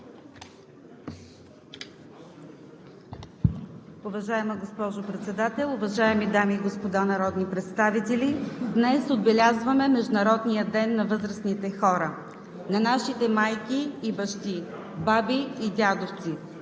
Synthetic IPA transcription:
ʊvɐʒaɛməɡospɔʒopɾɛt̪sɛd̪at̪ɛlˠʊvɐʒaɛmid̪amiːɡospod̪anɐɾɔd̪nipɾɛt̪st̪avit̪ɛlid̪nɛsod̪̚bɛlʲazvɐmɛmɛʒd̪ʊnɐɾɔd̪nijəd̪ɛnːɐvɤzɾəsnit̪ɛxɔɾə | nɐnaʃit̪ɛmajkiːbɐʃt̪i | babiːd̪ʲad̪oft̪si

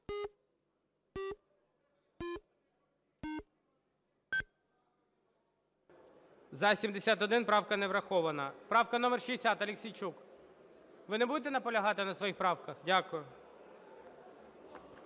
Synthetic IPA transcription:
zɐsʲimd̪esʲat̪ɔd̪ɪnpɾɑwkɐnɛʋɾɐxɔʋɐnɐpɾɑwkɐn̪ɔmɛrʃiesʲat̪ɐlʲeksʲijt͡ʃuk | ʋɪnɛbud̪et̪̬ɛnɐpɔlʲɐɦɑt̪ɪnɐsʋɔjixpɾɑwkɐxdʲakʊjʊ

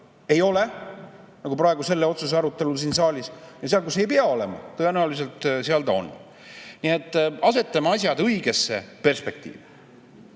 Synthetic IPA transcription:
e̞jo̞le̞ | nɑɡ̥upɾɑe̞ɡuse̞lːeo̞t̪sus̬eɑɾut̪ːˑe̞lus̬iːnsɑːlʲisjɑseɑlkusejpeɑo̞le̞mɑ̰t̪ɤe̞næulis̬e̞lt̪ˑseɑld̪o̞n | niet̪ːˑɑse̞t̪ːˑɑmɑɑsʲjɑd̪ɯjɡe̞sːe̞̰pe̞rspe̞k̚t̪ḭːve

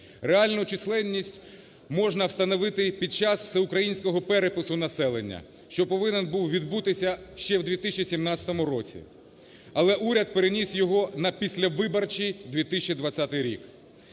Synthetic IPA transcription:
reɑlʲnʊt͡ʃɪslˠɛnʲːisʲtʲ | mɔʒnɐwst̪ɐnɔʋɪt̪ɪpʲid̪̚t͡ʃɑswsɛʊkɾɐjinʲsʲkɔɦɔpɛɾepɪsʊnɐsɛlˠenʲːɐ̰ | ʃt͡ʃɔpɔʋɪnɛnbuwʋʲid̪but̪ɪsʲɐʃt͡ʃɛwd̪ʲʋʲit̪ɪsʲt͡ʃʲisʲimnɑt͡sʲsʲɐ̥t̪ɔmʊɾɔt͡sʲḭ | ɐlˠɛʔuɾʲɐd̪̚peɾenʲisʲjɔɦɔnɐpʲisʲlʲɐʋɪbɐrt͡ʃid̪ʲʋʲit̪ɪsʲt͡ʃid̪ʋɐt͡sʲːat̪ɪjɾʲḭk

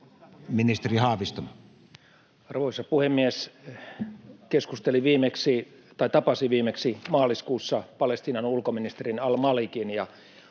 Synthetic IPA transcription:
minist̪erihɑhʋist̪on | ɑrʋoisɑpuhemːies | keskust̪eliʋiːmeksi | t̪ɑit̪ɑpɑsiʋiːmeksimɑːliskuːsːɑpɑlest̪iːnɑnulkominist̪erinɑlmɑlikinjɑ

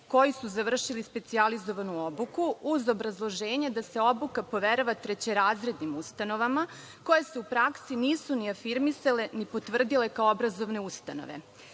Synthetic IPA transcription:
ko̞jisuzaʋr̩ʃilispe̞t̪sializo̞ʋanuobukuuzo̞bɾazlˠo̞ʒe̞ːɲed̪ase̞o̞bukapo̞ʋeɾaʋat̪ɾet͡ɕeɾaːzɾe̞d̪nimust̪ano̞ʋama | ko̞je̞se̞upɾaksiniːsuniafiɾmisale̞nipo̞t̪ʋr̩d̪ile̞kaoobɾazo̞ʋne̞ust̪ano̞̰ʋḛ

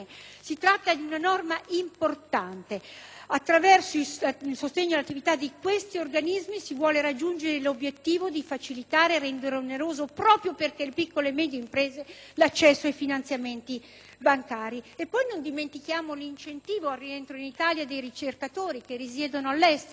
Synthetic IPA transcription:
sit̪ɾat̪ːad̪iunanɔrmaʔimport̪ant̪eat̪ːɾavɛrsoisilsost̪eɲːoalat̪ːivit̪ad̪ːikwest̪iorɡanizmisivwɔːleɾad͡ʒːund͡ʒeɾelobjet̪ːiːvod̪ifat͡ʃilit̪aːɾeɾɛnd̪eɾeoneɾoːzopɾɔːpɾjoperkelepikːolemɛd̪jeimpɾeːzelat͡ʃːɛsːoajfinant̪sjament̪i | baŋkaːɾiepːɔjnond̪iment̪ikjaːmolint͡ʃent̪iːvoarːient̪ɾoinit̪aljad̪ejɾit͡ʃerkat̪oːɾikerːis̬jɛːd̪onoalːɛst̪

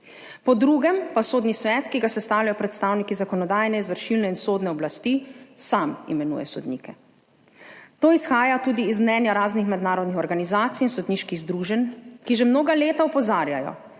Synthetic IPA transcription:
pɔd̪ɾuɡɛmpasoːd̪nisʋɛt̪kiɡasɛst̪aːwljajɔpɾɛt̪st̪aːwnikizakɔnɔd̪aːjnɛizʋəɾʃilnɛinsoːd̪nɛɔblast̪isamḭmɛnṵːjɛ̰sɔd̪nḭːkɛ | t̪oːisxaːjat̪uːd̪iːzmnɛːnjaɾaːznixmɛd̪naːɾɔd̪nixɔɾɡanizaːt̪sijinsɔd̪niːʃkiɣzd̪ɾuːʒɛnkiʒɛmnoːɡaleːt̪aɔpɔzaːɾjajɔ̰

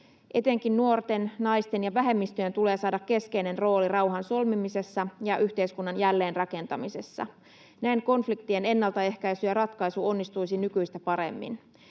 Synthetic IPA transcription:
ʔe̞t̪e̞ŋkinːuo̞rt̪e̞nnɑjst̪e̞njɑʋæɦe̞mːist̪yjent̪ule̞ːsɑːdɑkːe̞ske̞jne̞nro̞ːlirɑwɦɑnso̞lmimise̞sːɑjɑʔyçt̪eiskunːɑnjælːe̞ːnrɑke̞nt̪ɑmisesːɑ̰ | næeŋko̞nflikt̪iene̞nːɑlt̪ɑe̞hkæjsyjɑrɑt̪kɑjsuo̞nːist̪ujsinykyjst̪æpɑɾe̞̰mːḭn

